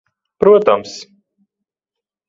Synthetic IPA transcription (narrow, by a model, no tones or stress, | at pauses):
pɾuɔt̪ams